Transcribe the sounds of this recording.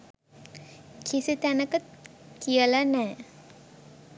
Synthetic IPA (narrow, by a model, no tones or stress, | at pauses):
kʰisit̪ænəkəkijəlanɛː